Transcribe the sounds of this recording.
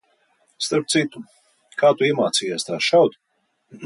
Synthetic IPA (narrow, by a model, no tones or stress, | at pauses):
st̪aɾp̚t̪sit̪u | kʰaːt̪uiɛmaːt̪siːjaːst̪aːʃawt̪